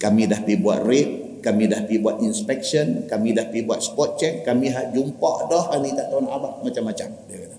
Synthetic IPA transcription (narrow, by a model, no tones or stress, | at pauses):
kamidahbibua̰t̪̚rɪp̚ | kamidahbibuat̪inspɛk̚sənkamidahpibuat̪̚sə̥pɔt̪̚t͡ʃɛk̚ːamiɦaʔd͡ʒumpɔʔdɔhkanik̪aʔt̪aunabaʔmat͡ʃamːat͡ʃamdakada